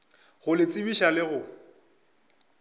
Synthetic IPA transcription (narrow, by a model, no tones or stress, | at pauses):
ɣʊlɪt͡sʼɪbiʃalɪɣʊ